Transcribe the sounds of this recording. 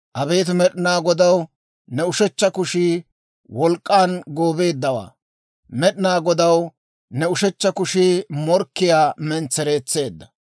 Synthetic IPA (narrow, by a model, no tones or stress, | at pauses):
ʔɐbe̞ːt̪̬ʊmɛɗɪnaːɡɔd̪ɐw | nɛʊʃɛt͡ʃːɐkʊʃiː | wɔlkʼːaːnɡoːbe̞ːd̪ːɐwa̰ː | mɛɗɪnaːɡɔd̪ɐw | nɛʊʃɛt͡ʃːɐkʊʃiːmɔɾkːɪjaːmɛnt͡sːɛɾeːt͡sːe̞ːd̪ːɐ̥